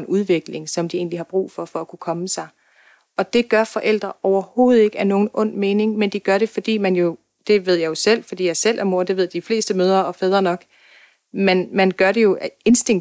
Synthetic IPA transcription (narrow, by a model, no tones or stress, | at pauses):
nʔuð̞ˠʋe̝ɡ̥le̝ŋsɒ̽md̥ie̝̰ːnlihɑ̈b̥ʁṵːfɒ̽fɒ̽ækʰukʰɒ̽məsɑ̈ɪ | ɒ̽d̥e̝ɡ̥ɶɐfɒ̽ʔel̰d̥ʁɐɒʊɐho̝ːð̞̩ˠe̝ɡ̥əæno̝ːn̩ʔɔ̽n̰̥me̝ːne̝ŋmend̥iɡ̥ɶɐɾe̝fɒ̽d̥ḭːmænjo̝ | d̥e̝ʋe̝ð̞̰ˠjɑ̈ɪjo̝sel̰fɒ̽d̥ḭːjɑ̈ɪsel̰ʔæmo̝ɐd̥e̝ʋe̝ð̞̰ˠd̥ifle̝̰ːsd̥əmøːð̞ˠɐɒ̽fɛːð̞ˠʁɐnɒ̽ɡ̥ | menmænɡ̥ɶɐɾe̝jo̝ʔe̝nsd̥e̝ŋ